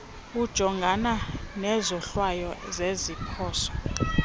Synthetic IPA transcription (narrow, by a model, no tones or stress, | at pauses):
ud̥ʒ̥ʱɔŋɡʱananɛzɔɬwajɔzezipʰɔːsɔ̥